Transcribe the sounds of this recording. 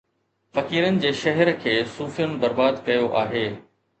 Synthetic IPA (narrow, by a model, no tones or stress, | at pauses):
fɐkiːɾənɪ̆d͡ʑeːʃɐɦɛɾkʰeːsuːfijən̆bɐɾbaːd̪kɐjoʔaːɦeː